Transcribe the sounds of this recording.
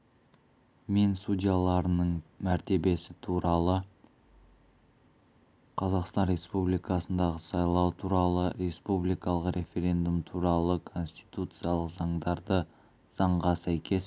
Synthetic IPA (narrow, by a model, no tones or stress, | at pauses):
me̞nsudʲijalˠɑɾənəɴmæɾt̪e̞be̞sɪt̪ʰuɾɑlˠə | qʰɑzɑqst̪ɑnɾʲe̞spublijkɑsənd̪ɑʁəsɑjlˠɑwt̪ʰuɾɑlˠəɾe̞spublijkɑlˠəqɾe̞fʲeɾʲe̞nd̪umt̪ʰuɾɑlˠəkʰo̞nst̪i̥jt̪ut̪sɨjɑlˠəqzɑɴd̪ɑɾd̪ə | z̥ɑɴʁɑsæjkʲʰe̞s